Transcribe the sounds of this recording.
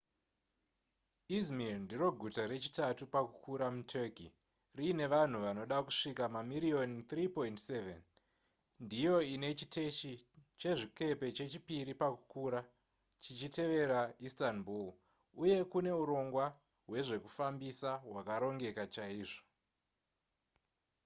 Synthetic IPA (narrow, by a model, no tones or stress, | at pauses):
izmirndiɾo̞ɡʱutaɾe̞t͡ʃi̥tatupakukʰuɾamutʰeki | rine̞ʋan̤uʋano̞ɗakuʂikamamiɾio̞nt̪ripo̞intsevḛn | ndijo̞ine̞t͡ʃite̞ʃit͡ʃe̞ʐike̞pe̞t͡ʃe̞t͡ʃipiɾipakukuːɾa | t͡ʃit͡ʃite̞ʋe̞ɾaistanbul | uje̞kune̞uɾo̞ŋɡwa | we̞ʐe̞kufambisawakaɾo̞ŋɡe̞kat͡ʃaiːʐo̥